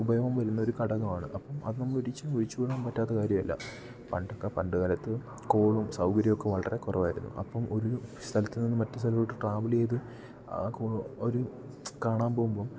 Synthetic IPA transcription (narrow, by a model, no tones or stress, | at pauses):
ubɐjɐʋɐmʋɐɾunːɐo̞ɾukɐɽɐɣɐmaːɳɨ̰ʔɐpːɐmɐ̰ðɨnɐmːɐɭiɽit͡ɕːaoɾit͡ɕːukuɽaːnpɐtːaːt̪ːɐkaːɾjɐmɐlːɐ̰ | pɐɳɖokːepɐɳɖɨɣɐlɐt̪ːɨ | ko̞ːɭumsɐwkɐɾjɐjokːe̞ʋɐɭɐrekurɐʋaːjɾunːṵʔɐ̰pːɐmoɾust̪ʰɐlɐt̪ːilninːɨmɐtːɨst̪ʰɐlɐoʈːɨʈraːʋɐlejðɨ | kooɾu | kaːɳaːmboːmboːm